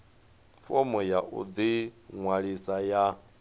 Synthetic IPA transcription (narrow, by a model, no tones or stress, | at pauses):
fɔmɔjaʔṵd͡ziŋwaɺisaja